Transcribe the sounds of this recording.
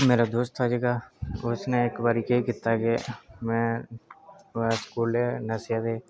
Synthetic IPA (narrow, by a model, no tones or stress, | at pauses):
meːɾad̪oːst̪aːd͡ʒeːɡaːʊsneɪkbaːɾiːkeikɪt̪ːaːɡeːmɛ̃ː | skuːleːnəsjaːd̪eː